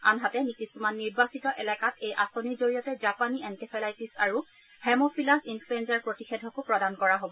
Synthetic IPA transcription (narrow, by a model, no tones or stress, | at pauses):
anɦatɛnikisumanːiɹbasitɔʔɛlɛkatʰejʔasonizoɹijɔtɛd͡ʒapaniɛntipʰɛlajtisaɹu | hɛmopʰilasinfluɛnzaɹpɹotixedʱɔkʊpɹɔdankɔɹaɦobɔ